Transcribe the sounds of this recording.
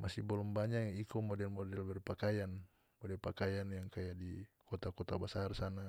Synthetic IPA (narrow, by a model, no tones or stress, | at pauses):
masibɔlɔmbaɲaikɔmɔdɛlmɔdɛlbɛrpakajan | mɔdɛlpakajanjaŋkajadikɔt̪akɔt̪abasarsana